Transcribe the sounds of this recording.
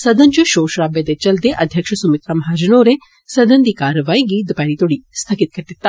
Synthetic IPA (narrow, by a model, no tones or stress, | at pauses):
sɐd̪ɐnd͡ʒuʃoːʃɾaːbed̪et͡ʃɐld̪eʔɐd̪ʱjɐkʃɐsumɪt̪ɾamɐɦaːd͡ʒɐnoːɾe | sɐd̪ʱɐnd̪iːkaːɾəʋaːiɡiːd̪paːnit̪oːɽist̪ʰɐkɪt̪̚kɐɾd̪ɪt̪ːaː